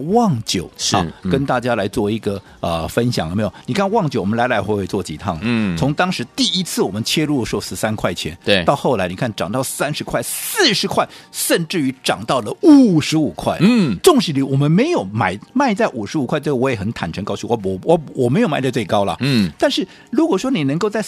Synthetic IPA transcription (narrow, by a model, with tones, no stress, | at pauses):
wɑ˥˩ŋt͡ɕjo˨˩ʊ˥˩kə˥nt̪a˥˩t͡ɕja˥la˧˥ɪt͡swɔ˥˩i˧˥ɡə˨ | ə˧fə˥nɕjɑ̰˨ŋ˨˧me˧˥jo˨˩ni˨˩kʰa˥˧nwɑ˥˩ŋt͡ɕjo˨˩ʊwɔ˨˩mə˦nla˧˥ɪlwe˥˧˩t͡swɔ˥˩t͡ɕḭ˨˥˩t̪ʰɑ˥˩ŋlə˦t͡sʰʊ˧˥ŋt̪ɑ˥ŋʂɻ̩˧˥t̪i˥˩i˥t͡sʰɹ̩˥˩wɔ˨˩mə˦nt͡ɕʰjɛ˥lu˥˩lə˩ʂɻ̩˧˥˧sɹ̩˥˩sa˥nkʰwa˥˩ɪt͡ɕʰjɛ̰˧˥neɑ˥˧ʊxo˥˩ʊla˧˥ɪni˨˩kʰa˥˩nʈ͡ʂɑ̰˨˩ŋt̪ɑ˥˩ʊsa˥nʂɻ̩˧˥kʰwa˥˩ɪsɹ̩˥˩ʂɻ̩˧˥kʰwa˥˩ɪʂə˥˧nʈ͡ʂɻ̩˥˩y˧˥ʈ͡ʂɑ˨˩ŋt̪ɑ˥˩ʊlə˩u˨˩ʂɻ̩˧˥u˨˩kʰwa̰˥˩ɪʈ͡ʂʊ˥˧ŋʂɻ̩i˧˥li˧˥wɔ˨˩mə˦nme˧˥ɪjo˨˧˩ʊma˨˩ɪma˥˧ɪt͡sa˥˩ɪʔu˨˩ʂɻ̩˧˥u˨˩kʰwa˥ɪʈ͡ʂɡwɔ˧˥jɛ˨˩xə˧˥nt̪ʰa˨˩nʈ͡ʂʰə˧˥ŋkɑ˥ʊt͡ɕʰi˥˩wɔ˧˥ɔ˨˧˩wɔ˧˥wɔ˨˩me˧˥ɪjma˥˧ɪt͡sa˥˧t͡swe˥˩ɪkɑ˥ʊlə̰˨t̪a˥˧nʂɻ̩˥˩ | ɻu˧˥kwɔ˨˩ʂwɔ˥ni˨˩nə˧˥ŋko˥˧ʊt͡sa˥˩ɪ